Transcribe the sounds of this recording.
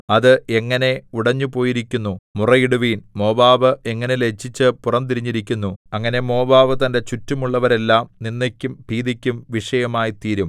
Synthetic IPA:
ɐðɨe̞ŋːɐne̞uɽɐɲːupo̞ːjiɾikʲːunːumurɐjiɽuʋiːnmo̞ːbaːʋɨe̞ŋːɐnele̞t͡ɕːit͡ɕːɨpurɐmt̪iɾiɲːiɾikʲːunːuɐŋːɐne̞mo̞ːbaːʋɨt̪ɐndet͡ɕutːumuɭːɐʋɐɾe̞lːaːmninːekʲːumpiːðikʲːumʋiʂɐjɐmaːjit̪iːɾum

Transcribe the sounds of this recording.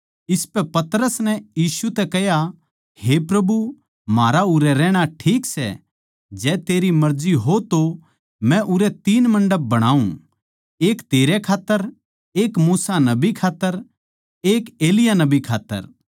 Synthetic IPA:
ɪspɛpɐt̪ɾəsnɛjiːsut̪ɛkɛɦja | hepɾɐbu | maːɾaʊɾɛɾɛːɽ̃aʈʰiːksɛ̰ | d͡ʒɛːt̪eːɾimɐɾd͡ʒiɦot̪o | mɛ̃ʔʊɾɛt̪iːnmɐ̃ɳɖəb̚ːɐɽ̃aːṵ̃ | eːkt̪eːɾɛkʰaːt̪ːəɾ | eːkmuːsanɐbikʰaːt̪ːəɾ | eːkeːlɪjanɐbikʰa̰ːt̪ːə̰ɾ

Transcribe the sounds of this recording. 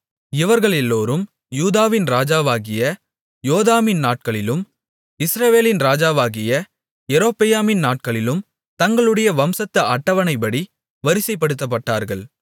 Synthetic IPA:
ɪʋɐɾɣɐɭɛlːoːɾɯm | juːðaːʋɪnɾaːd͡ʒaːʋaːɣɪjɐ | joːðaːmɪnnaːʈ̚kɐɭɪlɯm | ɪsɾɐʋeːlɪnɾaːd͡ʒaːʋaːɣɪjɐ | ɛɾoːpɪjaːmɪnnaːʈ̚kɐɭɪlɯm | t̪ɐŋɡɐɭɯɽɐjɐʋɐmsɐt̪ːɐʔɐʈːɐʋɐnɐɪp̬ːɐɽi | ʋɐɾɪsɐɪpːɐɽɯt̪̬ːɐp̬ːɐʈːaːɾɣɐɭ

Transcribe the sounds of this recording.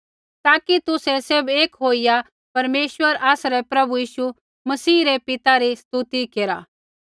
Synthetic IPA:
t̪aːkit̪ʊsɛsebeːkɦoːija | pɐɾmeːswəɾaːsɾɛpɾɐbujiːʃu | mɐsiːɾɛpɪt̪aɾist̪ut̪ikeːɾa̰ː

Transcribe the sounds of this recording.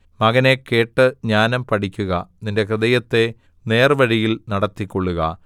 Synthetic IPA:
mɐɣɐne̞ke̞ːʈːɨɲaːnɐmpɐʈʰikʲːuɣɐninde̞krɨðɐjɐt̪ːe̞ | ne̞ːrʋɐɻijilnɐɽɐt̪ːikʲːo̞ɭːuɣɐ̰

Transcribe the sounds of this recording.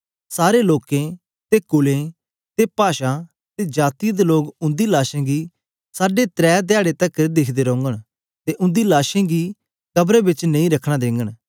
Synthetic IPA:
saːɾeloːkẽ | t̪ekʊlẽ | t̪epaːʃa | t̪ed͡ʒaːt̪ijd̪eloːɡʊ̃nd̪ilaːʃẽɡi | saːɖet̪ɾɛːt̪̬ɪaːɽet̪ɐkd̪ɪkʰd̪eːɾɔ̃ːŋɡəɽ̃ | t̪eʔʊ̃nd̪ilaːʃẽɡi | kɐbɾebɪt͡ʃnɐ̃ĩɾɐkʰɽ̃ad̪ẽːŋɡəɽ̃

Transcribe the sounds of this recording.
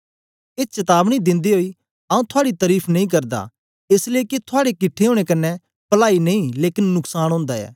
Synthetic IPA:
ɪt͡ʃɐt̪aːbñid̪ɪ̃nd̪iɦoːi | ɐːũt̪ʰʊaːɽit̪ɐɾiːpʰnɐĩːkɐɾd̪a̰ | ɪsleːket̪ʰʊaːɽekɪʈʰːeɦoːɽ̃ekɐnːɛ | pɐlaːinɐ̃ĩleːkɪnːʊksaːñɦõːnd̪aɛ̰ː

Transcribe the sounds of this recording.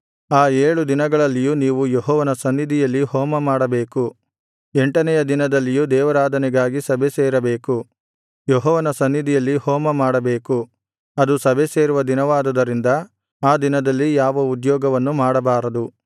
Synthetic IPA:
aːeːɭud̪inɐɡɐɭɐlːijuniːʋujɔɦɔːʋɐnɐsɐnːid̪ijɐlːihɔːmɐmaːɽɐbe̞ːku | eɳʈɐnɛjɐd̪inɐd̪ɐlːijud̪ɛːʋɐɾaːd̪ʱɐnɛɡaːɡisɐbʱeseːɾɐbeːku | jɔɦɔːʋɐnɐsɐnːid̪ijɐlːihɔːmɐmaːɽɐbe̞ːku | ɐd̪usɐbʱeseːɾuʋɐd̪inɐʋaːd̪ɐd̪ɐɾind̪ɐ | aːd̪inɐd̪ɐlːijaːʋɐud̪jɔːɡɐʋɐnːumaːɽɐbaːɾɐd̪u

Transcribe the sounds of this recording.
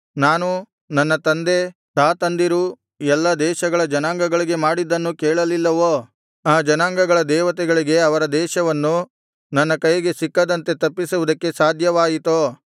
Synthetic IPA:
naːnu | nɐnːɐt̪ɐnd̪e̞t̪aːt̪ɐnd̪iɾu | ɛlːɐd̪ɛːʃɐɡɐɭɐd͡ʒɐnaːŋɡɐɡɐɭiɡe̞maːɽid̪ːɐnːukɛːɭɐlilːɐʋoː | aːd͡ʒɐnaːŋɡɐɡɐɭɐd̪ɛːʋɐt̪ɛɡɐɭiɡe̞ɐʋɐɾɐd̪ɛːʃɐʋɐnːu | nɐnːɐkɐjɐɡe̞sikːɐd̪ɐnt̪e̞t̪ɐpːisuʋud̪ɐkːe̞saːd̪ʱjɐʋaːjit̪oː

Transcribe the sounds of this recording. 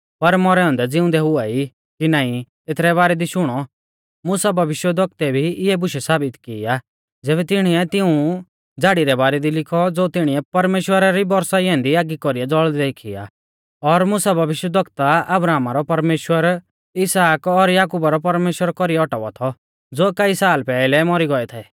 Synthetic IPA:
pɐɾmɔɾɛɦɔ̃ːnd̪ɛd͡zɪʊ̃nd̪ɛɦʊai | kinaːĩt̪et̪ʰɾɛβaːɾɛd̪iʃʊɽ̃ɔ | mʊsabʱɐʋɪʃwəd̪ʱɔk̚t̪ɛbʱiɪɛbʊʃɛsaːbɪt̪kɪːa | d͡zɛːβɛt̪ɪɽ̃iɛt̪ɪũ | d͡zaːɽiɾɛbaːɾɛd̪ilɪkʰɔd͡zoːt̪ɪɽ̃iɛpɐɾmeːʃwəɾaɾibɔɾsaɪɦɛ̃ːnd̪iaːɡikɔɾiɛd͡zɔɭd̪d̪eːkʰia̰ | ɔɾmʊsabʱɐʋɪʃwəd̪ʱɔkt̪aɐbɾaːmaɾɔpɐɾmeːʃwəɾ | ɪsaːkɔɾjaːkuːbaɾɔpɐɾmeːʃwəɾkɔɾiɛɔʈaʋɔ̰t̪ʰɔ | d͡zoːkaisaːlpɛːlɛmɔɾiɡɔɛt̪ʰɛː

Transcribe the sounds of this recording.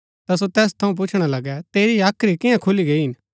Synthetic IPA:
t̪as̬ot̪ɛːs̬t̪ʰɐũp̬ʊt͡ʃʰɽ̃alɐɡɛt̪eːɾiaːkʰɾikɪjãkʰʊliɡeiɦɪn

